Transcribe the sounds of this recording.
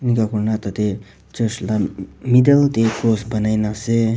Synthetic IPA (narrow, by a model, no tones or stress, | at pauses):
nikakuɾnat̪ət̪e | t͡ʃəslamid̪əlt̪ekosbənajnase